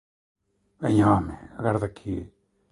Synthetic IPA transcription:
beɲõmḛ̃ɡaɾd̪akʰi

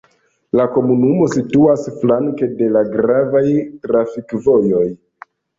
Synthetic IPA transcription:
lako̞munumo̞situasflaŋke̞de̞laɡɾavajtɾafikvo̞jo̞j

